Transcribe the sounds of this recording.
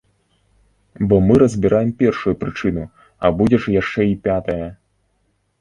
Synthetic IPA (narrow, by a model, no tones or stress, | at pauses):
bɔmɨɾɐzʲbʲiɾajɛmpʲɛrʂujupɾɨt͡ʂɨn̪u | ɐbud͡zʲɛʂjaʂt͡ʂɛipʲat̪ɐjɐ